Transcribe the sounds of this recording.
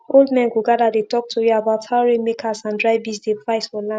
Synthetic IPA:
olˠdmɛ̃nɡuɡadadetɔk̚tʰujuabaʊthaʊɹemekʰasãndɹaɪbisdepɹaɪsfɔlã

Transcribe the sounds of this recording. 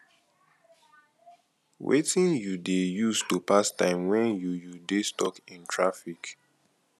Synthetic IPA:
wḛtĩnjudejustupastãɪ̃mwɛ̃njujudestɔkĩntʰɹafik

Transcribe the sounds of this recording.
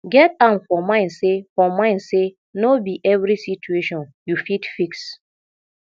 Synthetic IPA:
ɡɛtãmfɔmãɪ̃nsefɔmãɪ̃nse | nobiʔɛvɾisit͡ʃueʃɔ̃njufitfiks

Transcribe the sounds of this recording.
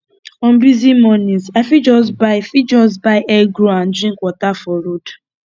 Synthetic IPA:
ɔ̃nbizimɔnĩzaɪfid͡ʒɔs̬baɪfid͡ʒɔs̬baɪʔɛɡɾoãndɹĩŋkwɔtafɔɾod

